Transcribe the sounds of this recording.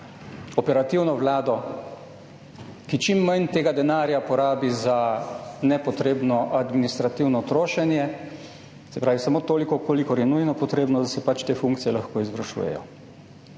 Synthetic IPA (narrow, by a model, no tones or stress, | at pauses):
ɔpɛɾat̪iwnɔʋlaːd̪ɔ | kit͡ʃimːant̪eːɡad̪ɛnaːɾjapɔɾaːbizanɛpɔt̪ɾeːbnɔʔad̪minist̪ɾat̪iwnɔt̪ɾoːʃɛnjɛ | sɛpɾaːʋisamoːt̪oːlikɔkoːlikɔɾjɛnujnɔpɔt̪ɾeːbnɔd̪asɛpat͡ʃt̪eːfuŋkt̪sijɛlaxkoːizʋɾaʃṵːjɛ̰jɔ̰